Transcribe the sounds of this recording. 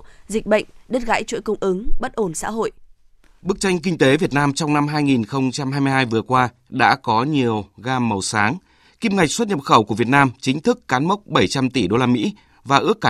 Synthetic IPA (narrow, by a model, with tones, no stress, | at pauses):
zï˨˩k̟̚ɓə̰˧˨jŋ̟ɗə˦˥t̚ɣa̰ː˧˥jt͡ɕwḭ˧˥˨jkə˧wŋ͡mʔɨ˨˦ŋɓə˦˥t̚ʔo˧˩nsa̰ː˧˥ɦo̰˧˨jʔ | ɓɨ˦˥ək̚t͡ɕa˧jŋ̟k̬ï˧ŋ̟t̪e˨˦vi˨˩ət̚naː˧mt͡ɕɔ˧wŋ͡mna˧mɦaː˧jŋi˨˩nxə˧wŋ͡mt͡ɕa˧mhaː˧jmɨ˧jhaː˧jvɨ˨˩əkwaː˧ | ɗa̰ː˧˥kɔ˨˦ɲi˨˩əwɣaː˧mːə˨˩wsaː˨˦ŋ | ki˧mŋa˨˩jk̟̚swt̚ɲə̰˨p̚xə˧˩wku˧˩vi˨˩ət̚naː˧mt͡ɕï˨˦ŋ̟t̪ʰɨ˦˥kːaː˨˦nmə˦˥k͡p̚ɓə˧˩jt͡ɕa˧mt̪i˧˩ɗo˧laː˧mḭ˧˥ | vaː˨˩ʔɨ˦˥əkːa˧˩